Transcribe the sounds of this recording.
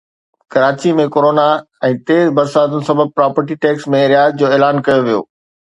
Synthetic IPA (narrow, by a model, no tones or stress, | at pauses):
kɐɾaːt͡ɕimẽkoːɾoːna | ɛ̃ːt̪eːɾzbɐɾsaːt̪ʊnɪ̆sɐbʱəb̚pɾaːpəɾʈiʈeːksmẽɾjaːzd͡ʑoːeːlaːnkɐjoʋijo̰ː